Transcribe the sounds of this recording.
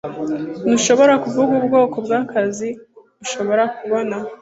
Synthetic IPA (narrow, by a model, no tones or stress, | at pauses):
nuʃo̞βo̞ɾakuvuɡuːbɡo̞ːko̞bɡaːkazi | uʃo̞βo̞ɾakuβo̞na